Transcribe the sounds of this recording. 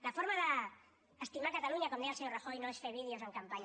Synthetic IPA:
lafoɾmaðəː | st̪imaɾkat̪aluɲakond̪ealsewraxojnõesfeβ̞iðjosaŋkampaɲ

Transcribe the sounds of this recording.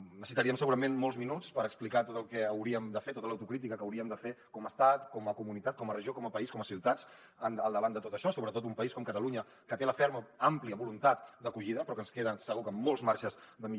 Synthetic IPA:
nəsit̪əɾiəmsəɣuɾəmenmolˠzminut͡spəɾəksplikat̪ot̪əlˠkɛəwɾiəmd̪əfet̪ot̪ələwt̪ukɾit̪ikəkəwɾiəmd̪əfekɔməst̪at̪kɔməkumunit̪at̪̚kɔmərəʒiokɔməpɐiskɔməsiwt̪at͡s | ənəlˠd̪əβand̪ət̪ot̪əʃɔsoβɾət̪ot̪umpəiskɔmkət̪əluɲə | kət̪eləfeɾməampliəβulunt̪at̪d̪əkuʎiðəpɾɔkənskeðənsəɣukəmːolˠzmaɾʃəzðəmi

